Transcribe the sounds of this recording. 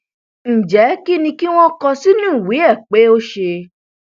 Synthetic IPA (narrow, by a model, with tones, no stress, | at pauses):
n̩˨d͡ʒɛ˨˦ki˦nĩ˧ki˦w̃ɔ̃˦kɔ˧si˦nũː˦˨wi˨˦ɛ˦˨k͡pe˨˦o˦ʃe˧